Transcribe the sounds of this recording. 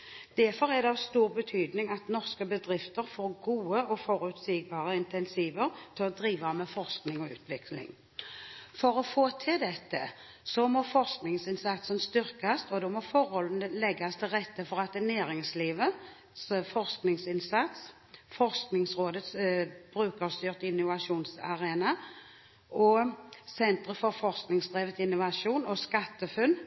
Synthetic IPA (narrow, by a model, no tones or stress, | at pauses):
d̪̥æfɔɾɛd̪ɛɑʋst̪uːʁbət̪ʰyːd̪nɪŋɑt̪nɔʁskəbəd̪ʁɪft̪əɾfoːɾɡuːəɔfɔɾʉt̪siːɡ̚bɑːʁəɪnt̪ɛnsiːʋəʁt̪ʰɪlɔd̪ɾiːʋəɑmɛfɔʁsknɪŋɔʉ̰ːt̪ʰʋɪklɪ̰ŋ | fɔɾɔfoːt̪ʰɪld̪ɛt̪ʰːə̰ | sɔmɔfɔʁsknɪŋsɪnsɑt̪sənst̪ʏɾkast̪ɔd̪ɔmɔfɔɾhɔlən̩əlɛɡːast̪ʰɪlʁɛt̪ːəfɔʁat̪ɛnæːɾɪŋsliːʋə | sfɔʁsknɪŋsɪnsat̪s | fɔʁsknɪŋsʁoːd̪ət̪sb̥ʁʉːkəʁst̪yːʁt̪ɪnːʊʋaʂuːnsɑ̰ʁeːna | ʔɔsɛnt̪ʁəfɔʁfɔʁsknɪŋsd̪ʁeːʋət̪ɪnːʊʋaʂuːnɔskat̪ːəfʉnː